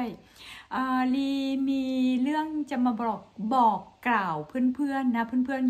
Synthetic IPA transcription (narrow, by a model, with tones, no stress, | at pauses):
j | ʔaː˧˩liː˧miː˧lɯ˥˩əŋt͡ɕa˨˩maː˧bɔː˨˩k̚bɔː˨˩kːlaː˨˩wpʰɯ˥˩˨npʰɯ˥˩ənːa˦˥pʰɯ˥˨npʰɯ˥˩ə˨n